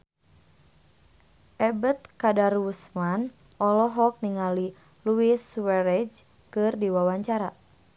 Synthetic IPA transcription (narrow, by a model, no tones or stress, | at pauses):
ʔɛbət̪̚kadarwusman | ɔlɔɦɔk̚niŋali | luiswɛɾɛd͡ʒ | kɨrdiwawaɲt͡ʃaɾa